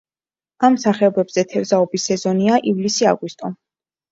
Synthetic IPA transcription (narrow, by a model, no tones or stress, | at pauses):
amsaχɛɔbɛbz̥ɛt̪ʰɛɾzaɔbisɛzɔniaʔivlisia̰ɡwist̪ʼɔ